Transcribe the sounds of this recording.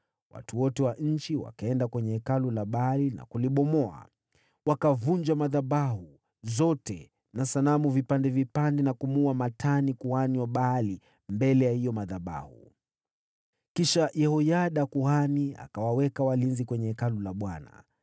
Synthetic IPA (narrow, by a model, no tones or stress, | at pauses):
wa̰tuwɔtɛwaɲ̩t͡ʃiwa̰kaɛndakwɛɲɛɛkalulaɓalina̰kuliɓɔmɔa̰ | wakavuɲd͡ʒamaðaɓaɦu | zɔtɛ | nasanamuvipandɛvipandɛnakumuamatʰanikuhaniwaɓali | mbɛlɛjahijɔmaðaba̰hṵ | kiʃajɛhɔjaɗakuhania̰kawawɛkawalinzikwɛɲɛɛkalulaɓwana̰